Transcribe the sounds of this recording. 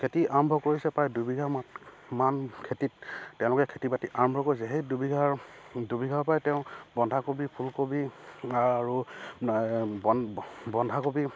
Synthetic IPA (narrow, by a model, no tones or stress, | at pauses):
kʰetiʔaɹɔmbʱɔkoɹisɛpɹajdubʱiɡʱammankʰetittɛʊ̃lʊkɛkʰetibatiʔaɹɔmbʱɔkoɹis̬ɛɦejdubiɡʱaɹdubiɡʱapajtɛʊ̃bɔndʱakobipʰulkobiaaɹu | ɔbɔndʱakobi